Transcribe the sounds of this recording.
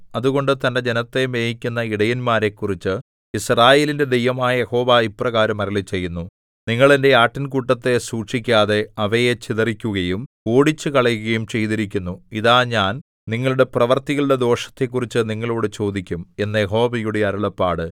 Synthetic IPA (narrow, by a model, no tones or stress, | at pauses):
ɐðuɣo̞ɳɖɨt̪ɐnde̞d͡ʑe̞nɐt̪ːe̞me̞ːɦikʲːunːɐiɽɐjinmaːɾe̞kːurit͡ɕːɨ | israːje̞ːlinde̞d̪ejʋɐmaːjɐjeho̞ːʋaiprɐɣaːɾɐmɐɾɐlit͡ɕe̞jːunːu | niŋːɐɭende̞aːʈːɐnkuʈːɐt̪ːe̞suːʈʂikʲːaːðe̞ɐʋɐjet͡ɕiðɐrikʲːuɣɐjumkoːɽit͡ɕːɨkɐɭɐjuɣɐjumt͡ɕe̞jt̪iɾik̬ʲːunːuiðaːɲaːn | niŋːɐɭuɽe̞prɐʋɐrt̪iɣɐɭuɽe̞d̪o̞ːʂɐ̥t̪ːe̞kːurit͡ɕːɨniŋːɐɭoːɽɨt͡ɕo̞ːd̪ikʲːume̞nːɐjeɦo̞ːʋɐjuɽeɐɾɐɭɐpːaːɽɨ